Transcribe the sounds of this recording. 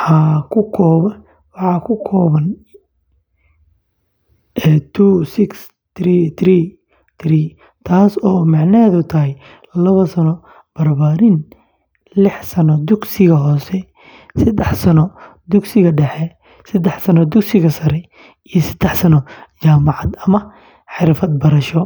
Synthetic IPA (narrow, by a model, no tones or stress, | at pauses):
ħaːkʰʊkʰɔːβɐ | wɑħɑkʰʊkʰɔːβɐn | ɛːt̪ʰuːsɪks | t̪iːt̪ʰriː | t̪ʰriː | t̪ʰaːsɔːmɑʕnɐːðʊt̪ʰɐɦɛj | lɐβɐsɐnɔ | b̥ɐrbaːɾɪn | lɪħsɐnɔd̪ʊɡsɪɣɐɦɔːsɛ | sɐd̪ɛħsɐnɔ | d̪ʊɡsɪɣɐɖɛħɛ | sɐd̪ɛħsɐnɔd̪ʊɡsɪɣɐsɐɾɛ | ijɔsɐd̪̥ɛħsɐnɔt͡ʃaːmɑʕɑd̪ɐmɐ | ħɪɾfɐd̪̚bɐɾɐʃɔ